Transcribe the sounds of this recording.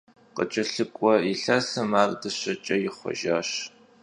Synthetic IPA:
qə̰t͡ʃʼɐɬɨkʷʼɔjɪɬɐsɐmaːrdɐɕɐt͡ʃʼɐjɪχʷɔ̰ʒaːɕ

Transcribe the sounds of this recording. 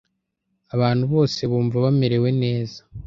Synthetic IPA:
aβaːnhuβo̞ːse̞βuːɱvaβame̞ɾe̞we̞ne̞ːzḁ

